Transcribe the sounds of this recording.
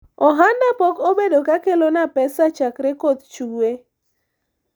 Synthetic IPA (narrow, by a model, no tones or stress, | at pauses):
ɔɦandapɔkobedokakelonapɛsat͡ʃakɾekot̪t͡ʃuwe